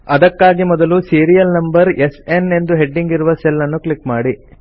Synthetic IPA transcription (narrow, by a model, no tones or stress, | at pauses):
ɐd̪ɐkːaːɡimɔd̪ɐlusiːɾijɐlnɐmbɐɾesene̞nd̪uɦe̞ɖːiŋɡiɾuʋɐselːɐnːuklikmaːɽi